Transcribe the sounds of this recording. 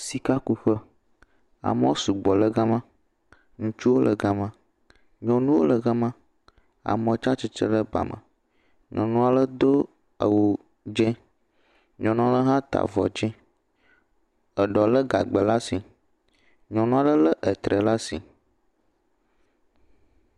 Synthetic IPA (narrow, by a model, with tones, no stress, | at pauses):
si˨ka˦ku˨ɸə˦ | a̰˨mə̃˦o˦su˨ɡ͡bɔ˨lə˦ɡa˦mã˦ | ŋũ˦t͡ʃu˦wo˦lə̰˨ɡa˨mã˦ | ɲɔ̃˨nũ˦wo˦lə˨ɡa˦mã˦ | a̰˨mə̃˨˦˨t͡ʃa˦t͡ʃi˦t͡ʃə̰˦lə˦ba̰˨mə̰̃˨ | ɲɔ̃˨nũ˦a˨lə˦d̪o˦ | ə˨wo˨ | d͡ʒɛ̃˦ | ɲɔ̃˨nũ˦a˨lə˦ɦã˦t̪a̰˨vɔ̰˨d͡ʒɛ̃˦ | ə˨ɖɔ˨lə˦ɡa̰˨ɡ͡bə˨la˦si˨ | ɲɔ̃˨nũ˦a˦lə˦lə˦ʔə˨t̪ɾə˨la˦si˨